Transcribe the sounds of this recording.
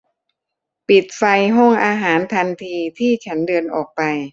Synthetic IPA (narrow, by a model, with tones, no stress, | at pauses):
pi˨˩t̪̚fa˧jɦɔ˥˩ŋʔaː˧ɦaː˩˦nt̪ʰa˧nt̪ʰiː˧t̪ʰiː˥˩t͡ɕʰa˦˥ndɤː˧nʔɔː˨˩k̚pa˧j